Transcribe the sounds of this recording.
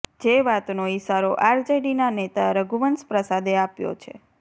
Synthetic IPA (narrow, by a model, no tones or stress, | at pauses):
d͡ʒeʋat̪noisaɾoʔaɾd͡ʒeɖinanet̪aɾəɡuʋənspɾəsad̪eapjo̰t͡ʃʰḛ